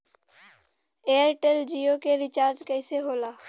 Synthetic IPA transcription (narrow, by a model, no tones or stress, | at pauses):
ejəɾʈeld͡ʒijokeɾɪt͡ʃaːɾd͡ʒkɛɪseɦoːlaː